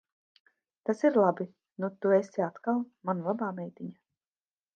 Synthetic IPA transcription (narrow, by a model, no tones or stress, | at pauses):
t̪asiɾlˠabi | nut̪uesiat̪kalˠmanlˠabaːmɛjt̪ʲiɲa